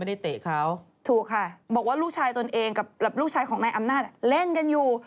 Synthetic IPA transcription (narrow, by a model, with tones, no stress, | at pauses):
ma˥jda˥˩jt̪eː˨˩kʰa˦˥˩w | t̪ʰuː˨˩kʰːa˧˩bɔː˨˩k̚waː˥˩ɾuː˥˩k̚t͡ɕʰaː˧jt̪o˧nʔeː˧ŋka˨˩p̚lɛː˨˩ɾuː˥˩k̚t͡ɕʰaː˧jkʰɔː˩˦ŋnaː˧jʔa˧mnaː˥˩t̪̚le˥˩nka˧njuː˨˩